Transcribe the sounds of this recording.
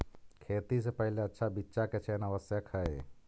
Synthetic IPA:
kʰeːt̪isepəɦileətːʃʰabitːʃaket͡ʃʰenəʋəsjəkʰhəe

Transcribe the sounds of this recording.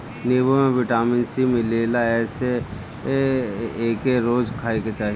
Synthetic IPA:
neːbomẽʋɪʈaːmɪnsimɪleːlaɛːse | eːkeɾoːd͡ʒkʰaːiket͡ʃaːɦ

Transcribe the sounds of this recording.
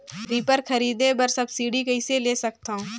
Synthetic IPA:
ɾiːpəɾkʰɐɾiːd̪ebɐɾsɐbsiːɽikɐɪseleːsɐkt̪aːɦũː

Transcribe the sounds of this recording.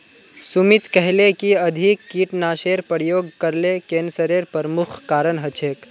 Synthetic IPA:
sumit̪kɛɦlekiɐd̪ʱikːiːʈnaːʃeːɾpəɾjoːɡkəɾlekeːnsəɾeɾpəɾmukʰkaːɾənɦət͡ʃʰeːk

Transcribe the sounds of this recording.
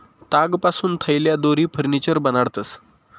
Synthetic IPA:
t̪aɡpasuːnt̪ʰəjljad̪oɾiːpʰəɾnit͡ɕəɾbənaɽt̪əs

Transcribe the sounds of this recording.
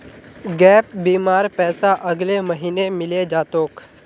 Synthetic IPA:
ɡɛːp̚biːmaːɾpɛːsaʔɐɡlemɐɦiːnemɪled͡ʒaːt̪oːk

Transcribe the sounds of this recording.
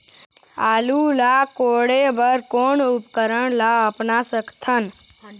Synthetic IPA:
alulakoɽebəɾkonupkəɾəɳlaəpnasəkt̪ʰən

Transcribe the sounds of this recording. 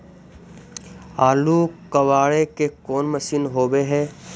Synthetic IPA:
aːlukɐʋaːɭekekoːnmɐsiːnɦoːʋeɦɛː

